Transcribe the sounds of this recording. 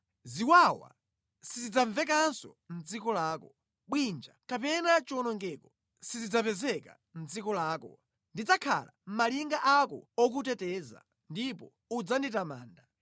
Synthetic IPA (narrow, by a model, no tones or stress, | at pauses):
ziwawa̰ | sizid͡zaɱvɛk̬ansɔ̰ | m̩d͡zikɔlaːkɔ | ɓwind͡ʒakapɛnat͡ʃiɔnɔŋɡɛkɔ | sizid͡zapɛzɛka̰ | m̩d͡zikɔlaːkɔ̰ | ndid͡zakʰa̰la̰m̩maliŋɡaʔakɔ̰ɔk̬utɛtɛːza̰ | ndipɔ | ud͡zanditama̰ːnda